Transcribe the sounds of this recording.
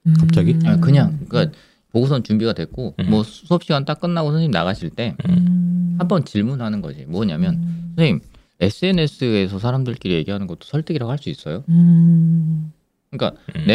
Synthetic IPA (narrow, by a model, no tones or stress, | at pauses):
kap̚t͡ɕ͈aɡiakɯɲaŋɯk͈a | poɡus̬ʰʌnt͡ɕumbiɡadwe̞k͈omwʌsʰuʌp̚ɕ͈iɡant͈ak̚k͈ɯnːaɡosʰʌnimna̰ɣaɕʰiɭt͈e̞ | hambʌnt͡ɕiɭmunɯɭɦanɯnɡʌ̰d͡ʑimwʌɲamjʌnsʰʌnʰiŋ | e̞s͈ʰɯe̞ne̞s͈ʰɯe̞s̬ʰʌsʰaɾamdɯɭk͈iɾije̞ɡiɦanɯnɡʌt͈o̥sʰʌɭt͈ʰɯɡiɾaɡoɦaɭs͈uis͈ʌjo | kɯɲik͈a̰ne